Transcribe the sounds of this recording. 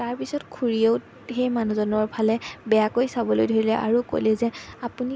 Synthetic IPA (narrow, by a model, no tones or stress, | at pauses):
taɹpisɔtkʰuɹieʊ | xejmanuzɔnɔɹpʰalɛbɛjakojsabɔlojdʱoɹilɛʔa̰ɹuko̰jlɛzɛapuni